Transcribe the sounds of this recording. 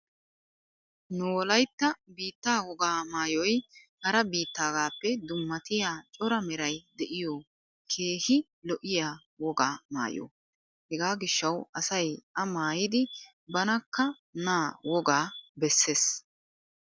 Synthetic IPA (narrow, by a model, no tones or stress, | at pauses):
nʊwɔlɐjt̪ːɐbiːt̪ːaːwɔɡaːmaːjɔjhɐɾɐbiːt̪ːaːɡaːpːɛd̪ʊmːɐt̪ɪjaːt͡ʃʼɔɾɐmɛɾɐjd̪ɛʔɪjɔː | kʰe̞ːhɪ | lɔʔɪjaː | wɔɡaːma̰ːjo̰ː | hɛɡaːɡɪʃːɐwɐsɐjʔɐmaːjɪd̪ɪ | bɐnɐkːɐ | naːwɔɡaːbɛsːeːs